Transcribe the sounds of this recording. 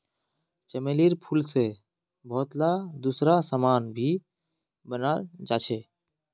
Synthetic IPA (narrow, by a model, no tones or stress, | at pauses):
t͡ʃəmeːliːɾpʰulse | bʱɔːt̪lad̪uːsɾasaːmaːnbʱiː | bənaːld͡ʒaːt͡ʃʰeː